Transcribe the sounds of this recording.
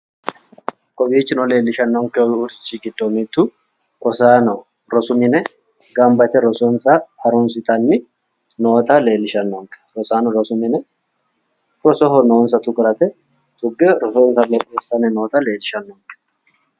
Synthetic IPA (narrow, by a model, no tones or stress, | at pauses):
kʼɔbiːt͡ʃːɪnɔle̞ːlːɪʃɐnːɔŋkːɛɔʊɾɪ̥t͡ʃːiɡɪd̪ːomit̪ːʊ | kʼɔsanɔ | ɾɔsʊmɪnɛ | ɡɐmbɐt̪ɛɾɔsɔnsɐɐɾʊnsɪt̪ʼɐnːɪ | no̞ːt̪ɐle̞ːlːɪʃɐnːɔŋkʼɛ̥ɾɔsaːnɔɾɔsʊmɪnɛ | ɾɔsɔɦɔnoːnsɐt̪ʊkʼɾɐt̪ɛ | t̪ʼʊɡːɛɾɔsoːnsɐlɔkʼːesːɐnɛno̞ːt̪ɐle̞ːlːɪʃɐnːɔŋkʼɛ̥